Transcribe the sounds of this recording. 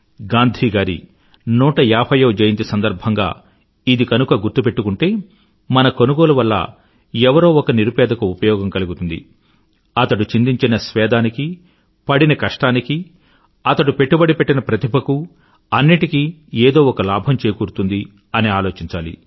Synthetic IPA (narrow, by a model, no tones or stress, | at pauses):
ɡaːnd̪ʱiːɡaːɾḭ | nuːʈɐjaːpʰɐjɐːd͡ʒɐjɐnt̪isɐnd̪ɐɾbʱɐŋɡa̰ː | id̪ikɐnukɐɡuɾt̪upe̞ʈːukuɳʈe̞ː | mɐnɐkonuɡo̞ːluʋɐlːɐ̰ | ɛʋɐɾo̞ːɔkɐniɾupɛːd̪ɐkɐupɐjɔːɡɐmkɐluɡut̪und̪ḭ | ɐt̪ɐɽut͡ʃind̪iɲt͡ʃinɐsʋɛːd̪aːniki | pɐɽinɐkɐʂʈaːniki | ɐt̪ɐɽupe̞ʈːubɐɽipeʈːinɐpɾɐt̪ibʱɐku | ɐnːiʈikieːd̪o̞ːɔkɐlaːbʱɐmt͡ʃeːjkuːɾut̪und̪i | ɐniaːlo̞ːt͡ʃiɲt͡ʃaːlḭ